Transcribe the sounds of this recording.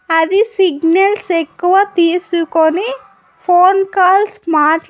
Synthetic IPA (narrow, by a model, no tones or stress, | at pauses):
ɐd̪isiɡnɐlsekːuʋaːt̪iːsukoni | pʰoːnkaːlsmaːʈ